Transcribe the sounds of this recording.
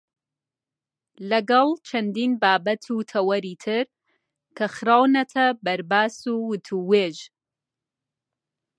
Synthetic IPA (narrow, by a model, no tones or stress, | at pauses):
lɐɡɐlˠt͡ʃʰɐnd̪iːnbaːbɐt̪ʰut̪ʰɐwɐɾiːt̪ʰɨɾ | kʰɐxɨɾaːwnɐt̪ʰɐbɐɾbaːsuwɨt̪ʰuweːʒ